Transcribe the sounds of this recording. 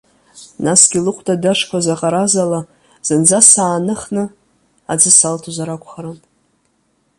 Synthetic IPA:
nasɡʲilɨqʷʰʼtʼadaʂkʷʰazaqʼaɾazala | z̥ɨnd͡zasaːnɨχnɨ | ad͡zɨsaltʰuzaɾakʷʰʼχaɾɨn

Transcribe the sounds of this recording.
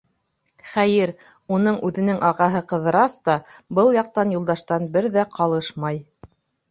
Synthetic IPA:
χæjɘɾ | unɤɴʉðɘ̆nɘŋʔɑʁɑɦɤqɤ̆ðɤ̆ɾɑst̪ɑbɤlˠjɑq̚t̪ɑnjulˠd̪ɑʃt̪ɑnbɘɾðæqʰɑlˠɤʃmɑj

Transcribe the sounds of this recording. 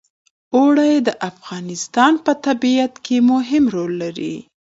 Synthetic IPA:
oɽajd̪əʔafɣɑnɪst̪ɑnpət̪abiat̪kʰemʊɦɪmɾolːaɾḭ

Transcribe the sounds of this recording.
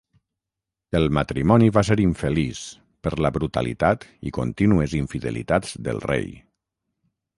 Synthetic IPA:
elˠmat̪ɾimɔniβaseɾiɱfelis | pəɾləβɾut̪a̰lḭt̪at̪ḭko̰nt̪inuəziɱfiðḛlḭt̪ad͡zd̪ə̰lˠrḛj

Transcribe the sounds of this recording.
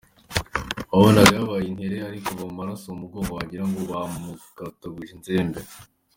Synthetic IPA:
awonaɡaβajinhe̞ɾeaɾikoβamumaɾasoumuɡoβoaɟiɾaŋɡoβamukataɡiʒinzeːmbe

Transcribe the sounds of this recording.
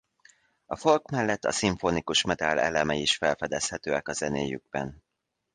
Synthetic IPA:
ɒfo̞lkmɛlːɛt̪ːɒ̰siɱfonikuʃmɛd̪alɛlɛmɛiʃfɛlfɛd̪ɛshɛt̪øːɛkɒzɛneːjy̰ɡ̚bɛ̰n

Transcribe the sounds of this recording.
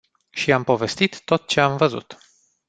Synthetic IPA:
ʃiampo̞ve̞st̪it̪ːo̞t̪̚t͡ʃe̞amvəzṵt̪

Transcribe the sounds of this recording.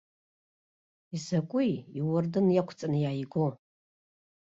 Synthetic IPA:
isakʷʼʊjiwʊrdɨnjakʷʰt͡sʼanɨjaːjɡʷo

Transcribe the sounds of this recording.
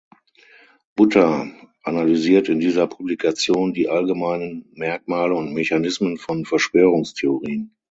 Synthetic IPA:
b̥ʊtɐʔanalyziːɐtɪndiːzɐpʰublikʰat͡sjoːndiːʔalɡəmaɪnənmɛɐkmaːləʊntmɛçanɪsmənfɔnfɛɐʃv̥øːʁʊŋstʰeoʁiːən

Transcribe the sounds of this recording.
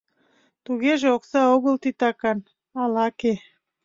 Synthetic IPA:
t̪uɣeʒeoksɑoɣəlt̪it̪ɑkɑn | ɑlɑke

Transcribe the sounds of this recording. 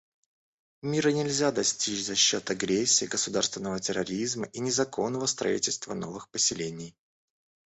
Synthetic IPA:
mʲiɾənʲɪlʲzʲad̪ɐsʲtʲit͡ɕzɐɕːo̞t̪ɐɡɾʲesʲːɪːɡəsʊd̪arst̪vʲɪnːəvətʲɪɾɐɾʲizməʔinʲɪzɐko̞nːəvəst̪ɾɐ̰ḭtʲɪlʲst̪vəno̞vɨxpəsʲɪlʲenʲɪj

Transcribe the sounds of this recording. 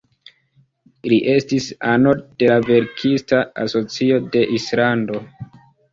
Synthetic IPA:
liʔe̞stisano̞d̥e̞lave̞ɾkʰistaa̰so̞t͡sio̞de̞ʔislando̞

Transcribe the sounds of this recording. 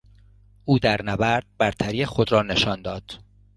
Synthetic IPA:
ʔuːd̪æɾnævæɾd̪̥̚bæɾt̪ʰæɾiːexod̪ɾɒːneʃɒːnd̪ɒːd̪̥

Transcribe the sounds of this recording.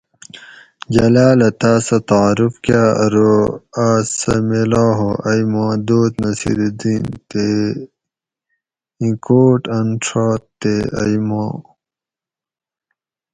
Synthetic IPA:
d͡ʑɐlaːlɐt̪aːsɐt̪aɾufkaːɾoaːsɐ̰melaːɦoʔɐjmãːd̪oːt̪nɐsḭɾd̪int̪e | ĩkoːʈɐnʈ͡ʂʰaːt̪t̪ːeɐ̰jmõː

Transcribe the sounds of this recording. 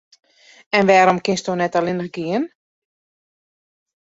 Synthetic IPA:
ɛnʋɛːɾɔmkɪnstonɛtalɪnərɡiən

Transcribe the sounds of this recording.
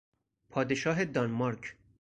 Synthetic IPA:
pʰɒːd̪eʃɒːɦed̪ɒnmɒɾkʰ

